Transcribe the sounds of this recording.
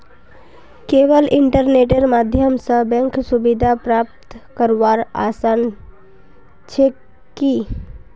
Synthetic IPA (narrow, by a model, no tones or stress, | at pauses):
keːʋəlɪɳʈəɾneːʈeɾmaːd̪ʱjəmsəbɛ̃ŋksʊbid̪ʱapɾaːp̚t̪kəɾʋaːɾa̰ːsaːn | t͡ʃʰe | ki